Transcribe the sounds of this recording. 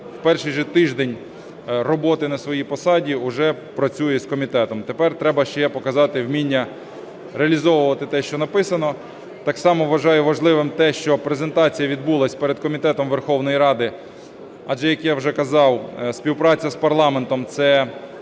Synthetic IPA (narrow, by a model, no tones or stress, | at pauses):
wpɛrʃɪjʒɛt̪ɪʒd̪enʲ | rɔbɔt̪ɪnɐsʋɔjipɔsɑdʲiʊʒɛpɾɐt͡sʲujɛskɔmʲit̪ɛt̪ɔmt̪epɛrt̪ɾɛbɐʃt͡ʃɛpɔkɐzɑt̪ɪwmʲinʲːɐ | ɾeɐlʲizɔʋʊʋɐt̪ɪt̪ɛʃt͡ʃɔnɐpɪsɐnɔ | t̪ɑksɑmɔʋʋɐʒɑjʊʋɐʒlˠɪʋɪmt̪ɛʃt͡ʃɔpɾezent̪ɑt͡sʲijɐʋʲid̪bulˠɐsʲpeɾed̪̚kɔmʲit̪ɛt̪ɔmʋerxɔwnɔjiɾɑd̪ɪ | ɐʒɛjɐkjawʒɛkɐzɑwsʲpʲiwpɾɑt͡sʲːɐspɐrlˠɑment̪ɔmt̪sɛ